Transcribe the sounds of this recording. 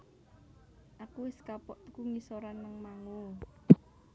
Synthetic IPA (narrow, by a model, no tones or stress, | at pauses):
ʔakuwɪskapɔʔt̪ə̥kuŋisoɾanːəŋmaŋo